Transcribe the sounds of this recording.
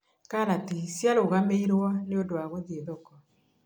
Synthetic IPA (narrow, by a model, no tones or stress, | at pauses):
kanatisjaloɣameiɾwɔneodoaɣoðieðɔkɔ